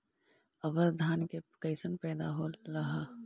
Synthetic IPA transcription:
ɐbəɾd̪ʱaːnkekəɪsənpɛːd̪aɦoɾɐɦa

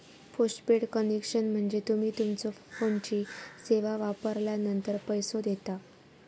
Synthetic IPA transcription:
fosʈpeɽkənekʂənm̤əɳd͡zet̪um̤iːt̪umt͡sɔfont͡ɕiːseʋaʋapəɾljanənt̪əɾpəjsod̪et̪a

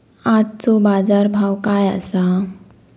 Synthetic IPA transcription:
at̪t͡sɔbad͡zaɾbʱawkaja̰sa

